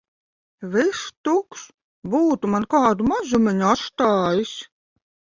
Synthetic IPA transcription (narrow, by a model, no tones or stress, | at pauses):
vɪʃt̪uks | buːt̪umankaːd̪umazumɨnʲaʃt̪ɑːjisʲ